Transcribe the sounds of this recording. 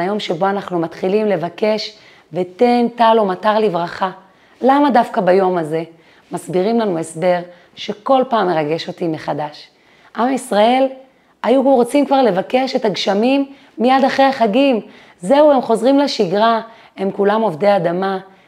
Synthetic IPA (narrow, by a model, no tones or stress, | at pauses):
ajo̞mʃe̞bo̞anaχnumatχilimle̞vake̞ʃ | ve̞t̪e̞ntalo̞mataʁlivʁaχa | lamadafkabajo̞maze̞ | masbiʁimlanue̞sbe̞ʁ | ʃe̞ko̞lpaːmːe̞ʁaɡe̞ʃo̞timeχadaʃ | ʔamisʁae̞l | ajuʁo̞t͡simkvaʁle̞vake̞ʃe̞t̪aɡʃamimː | ijad̪aχʁeaχaɡim | ze̞ue̞mχo̞zʁimleʃiɡʁa | emkulamo̞vdead̪ama